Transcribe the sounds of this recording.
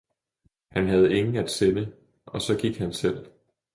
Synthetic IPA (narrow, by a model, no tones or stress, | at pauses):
hænɦæð̞̩ˠe̝ŋn̩æd̥senə | ʔɒ̽sɒ̽ɡ̥iɡ̥hænsel̰